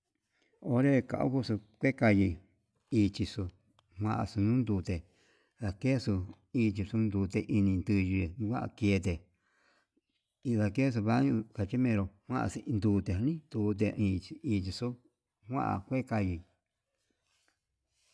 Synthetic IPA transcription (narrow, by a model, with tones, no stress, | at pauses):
o˧ɾe˦˧ka̰˨ʔṵ˦ku˦su˧kʷe˦ka˧ji˧ | iː˧t͡ʃi˧so˧ | hwã˧ʔa̰˧su˧nũ˦nd̪uː˧˨˧t̪e˨ | ða˧ke˦su˧ | iː˧t͡ʃi˧su˧nd̪uː˧t̪e˧ʔi˧nĩ˧nd̪ɨ˧ʒi˧˨˧kʷa˦ʔa̰˧ki˧e˧t̪e˨ | i˧ða˧ke˦s̬u˧βa˦ɲũ˧ka˧t͡ʃi˦mẽ˧ɾo˧hwã˦ʔa̰˧si˧nd̪uː˧t̪e˨a˧nĩ˦d̪uː˧t̪̬e˧ĩ˧iː˧t͡ʃi˧su˦ | hʷã̰˦ʔa̰˧˨kʷe˦ka˧ji˧˨